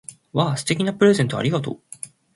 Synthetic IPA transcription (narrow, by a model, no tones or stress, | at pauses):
βasɨ̥t̪e̞kʲinapɯ̟ɾe̞zẽ̞nt̪oa̰ɾʲiɡat̪o̰